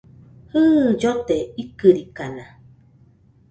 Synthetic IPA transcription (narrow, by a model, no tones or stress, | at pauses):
hɨːd͡ʒot̪eikɨɾikana